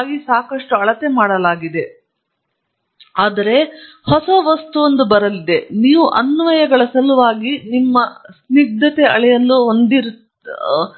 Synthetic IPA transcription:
ɡisaːkɐʂʈuɐɭɐt̪emaːɽɐlaːɡid̪e̞ | aːd̪ɐɾe̞ | hɔsɐʋɐst̪uond̪ubɐɾɐlid̪e̞niːʋuʔɐnːʋɐjɐɡɐɭɐsɐluʋaːɡinimːɐsniɡ̚d̪ʱɐt̪eɐɭɛjɐlːuɦond̪iɾu

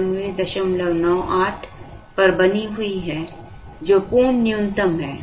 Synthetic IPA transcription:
mʋẽd̪ɐʃəmləʋnɔːʔaːʈʰpɐɾbɐniɦʊiɦɛː | d͡ʒoːkuːnnɪjʊ̃nt̪əmɦɛː

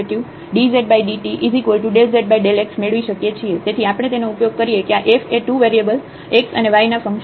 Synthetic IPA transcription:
ʈju | ɖizeʈ̚bajɖiʈiʔizikʋəlʈuɖelzeʈ̚baiɖeleksmeɭʋiʃəkjet͡ʃʰiet̪et̪ʰiapɽ̃et̪enoupjoɡ̚kəɾijekeaʔefeʈuʋeɾiəbəl | eksə̰neʋajnafə̃ŋkʃ

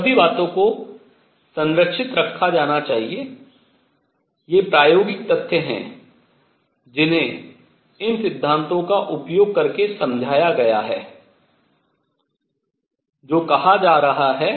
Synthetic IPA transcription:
sɐbʱibaːt̪õko | sɐ̃ŋɾəkʃɪt̪ɾɐkʰːad͡ʒaːnat͡ʃaːɦie | jepɾaːjoːɡɪk̚t̪ɐt̪ʰjəɦɛ̰̃ | d͡ʒɪnɦẽ | ɪnsɪd̪ʱːãːnt̪õkaʔʊpjoːɡ̚kɐɾkesɐ̃md͡ʒʱaːjaɡɐjaɦɛː | d͡ʒoːkɐɦad͡ʒaːɾɐɦaɦɛː

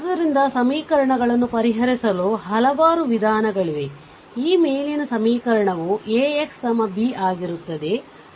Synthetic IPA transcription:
d̪ɐɾind̪ɐsɐmiːkɐɾɐɳɐɡɐɭɐnːupɐɾiɦɐɾisɐluɦɐlɐʋaːɾuʋid̪ʱaːnɐɡɐɭiʋe | iːmejlinɐsɐmiːkɐɾɐɳɐʋueːekst̪ɐmɐbiaːɡiɾut̪ːɐd̪e̞

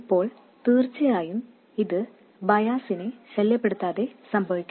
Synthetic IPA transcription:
ipːo̞ːɭ | t̪iːrt͡ɕːɐjaːjum | iðɨ | bɐjaːsineɕeljɐpːeɽut̪ːaːðe̞sɐmbʱɐʋikʲː

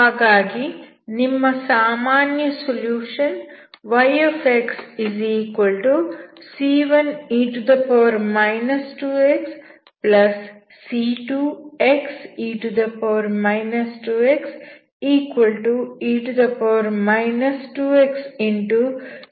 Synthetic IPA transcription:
haːɡaːɡi | nimːɐsaːmaːnjɐsoljuːʃɐn | ʋɐjefeksiziːkʋɐlʈusiːʋɐniɳʈud̪ɐpɔːɾmɐjnɐsʈuːeks | plɐsː | iːʈueksiːʈud̪ɐpɐɔːɾmɐjnɐsʈuːeks | iːkʋɐlʈuiːʈud̪ɐpoːɾmɐjnɐsʈuːeksiɳʈu

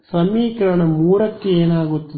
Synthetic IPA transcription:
sɐmiːkɐɾɐɳɐmuːɾɐkːeeːnaːɡut̪ːi

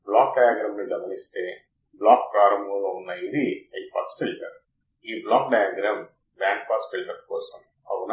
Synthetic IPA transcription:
blaːk̚ɖɐjaːɡɾaːmniɡɐbɐnist̪eː | blaːk̚pɾaːɾɐmolounːɐjid̪iɐjpɐ̰t̪sfilʈɐɾ | iːblaːk̚ɖɐjaːɡɾaːm | bjaːŋk̚paːsfilʈɐkkɔːsɐm | ɐ̰ʋuna

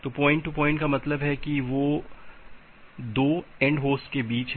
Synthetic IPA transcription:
t̪oːpɔ̃ːɪ̃ɳʈːupɔ̃ːɪ̃ɳʈkamɐt̪ləbɦɛkiʋoː | d̪oːẽːɳɖɦoːsʈkebiːt͡ʃ

